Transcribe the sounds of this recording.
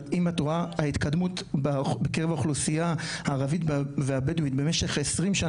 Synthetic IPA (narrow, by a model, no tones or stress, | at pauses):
imat̪oʁaait̪kad̪mutbabekeʁevaχlusijahaːʁavitbveabeduit̪be̞meʃe̞χesʁimʃa